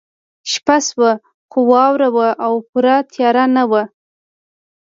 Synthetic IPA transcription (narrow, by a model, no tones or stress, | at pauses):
ʃpaswə | xowɑwɾawəʔawpuɾat̪ʰjɑɾanawə